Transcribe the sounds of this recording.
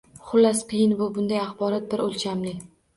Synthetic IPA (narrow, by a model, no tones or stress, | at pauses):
χʊlːasqʰɨjɪnvʊbʊnd̪ajaχbɒɾɒt̪̚bɪɾolt͡ʃʰamlɪ